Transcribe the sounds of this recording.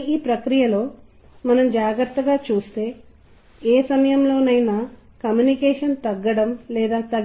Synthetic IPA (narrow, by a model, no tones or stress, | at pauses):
iːpɾɐkɾijɐlo̞ː | mɐnɐmd͡ʒaːɡɾɐɾt̪ːɐɡaːt͡ʃuːst̪e̞ː | eːsɐmɐjɐmlo̞ːnɐjna | kɐmjunikɛːʂɐnt̪ɐɡːɐɽɐmlɛːd̪aːt̪ɐɡ